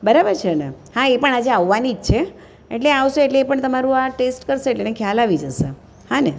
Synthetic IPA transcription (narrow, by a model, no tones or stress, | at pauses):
bəɾabəɾt͡ʃʰenehãepəɳad͡ʒeaʋːanid͡ʒt͡ʃʰe | ḛʈleaʋʃeeʈleːpəɳt̪əmaɾũaʈesʈkəɾʃeeʈlenekʰjalaʋid͡ʒəʃe | hane